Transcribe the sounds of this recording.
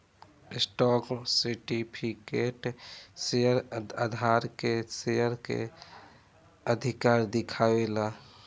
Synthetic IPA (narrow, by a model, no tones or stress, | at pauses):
ɪsʈɔːksiʈipʰikeʈsejəɾəd̪ʱaɾkesejəɾkḛ | əd̪ʱikaːɾd̪ɪkʰaela